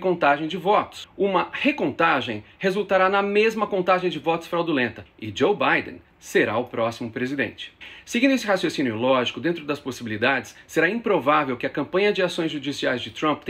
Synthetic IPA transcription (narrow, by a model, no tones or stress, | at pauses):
kõnt̪aʒẽj̃d͡ʒɪvɔt̪ʊ̥sũmɐhekõnt̪aʒẽj̃hezuwt̪aɾanɐmezmɐkõnt̪aʒẽj̃d͡ʒɪvɔt̪ʊ̥sfɾawd̪ulẽnt̪ɐɪd͡ʒowbajd̪ḛ̃ | seɾa̰ʊpɾɔsimʊpɾezid̪ḛ̃nt͡ʃɪ̥seɡĩd̪ʊesɪhasjosĩnjʊlɔʒikʊd̪ẽnt̪ɾʊd̪ɐsposibilid̪ad͡ʒɪ̥sːeɾaĩpɾovavewkɪɐkɐ̃mpɐ̃ɲɐd͡ʒɪasõj̃zʒud͡ʒisiajzd͡ʒɪt̪ɾɐ̃p̪